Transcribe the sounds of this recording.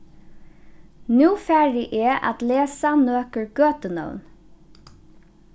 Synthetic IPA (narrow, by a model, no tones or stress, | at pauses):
nʉːfæːɹɪʔeːʔɑ̰t̪leːsanøːkəɹɡøːt̪ənœ̰ʉn